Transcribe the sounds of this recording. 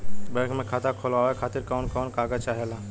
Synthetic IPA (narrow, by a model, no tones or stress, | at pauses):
bɛ̃ːkmẽkʰaːt̪akʰolaːɛkʰaːt̪ɪɾkɔːnkɔːnkaːɡət͡ʃaːɦela